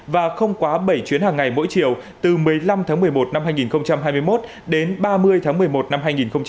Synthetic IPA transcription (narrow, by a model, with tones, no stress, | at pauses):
vaː˨˩xə˧wŋ͡mkwaː˨˦ɓə˧˩jt͡ɕwi˨˦ənhaː˨˩ŋːa˨˩jmo̰˧˥jt͡ɕi˧˩˨əw | t̪ɨ˨˩mɨ˨˩əjla˧mt̪ʰaː˨˦ŋmɨ˨˩əjmo˨˩t̚na˧mhɦaː˧jŋi˨˩nxə˧wŋ͡mt͡ɕa˧mhɦaː˧jmɨ˧əjmo˦˥t̚ | ɗe˨˦nɓaː˧mɨ˧əjt̪ʰaː˨˦m˨˩əjmo˨˩t̚na˧mɦaː˧jŋi˨˩nxə˧wŋ͡m